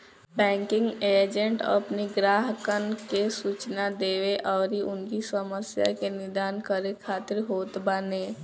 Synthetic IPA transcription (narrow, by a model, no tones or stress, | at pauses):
bɛ̃ːŋkɪ̃ŋɡeːd͡ʒə̃ɳʈə̰pniɡɾaːɦkənkesuːt͡ʃnad̪eːweʔɔːɾiʔʊnkisəməsja̰kenɪd̪aːnkəɾekʰaːt̪ɪɾɦoːt̪bəneː